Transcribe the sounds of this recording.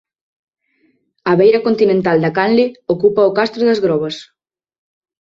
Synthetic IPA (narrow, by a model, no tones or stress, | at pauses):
ɐβejɾɐkont̪inẽnt̪ald̪ɐkanlɪokupɐokast̪ɾoðɐzɣɾɔβ̞ɐs